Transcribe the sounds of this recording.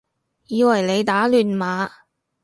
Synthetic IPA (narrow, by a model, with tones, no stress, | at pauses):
jiː˨˧wɐ˨˩jle˨˧jt̪aː˨˥lyː˨nmaː˨˥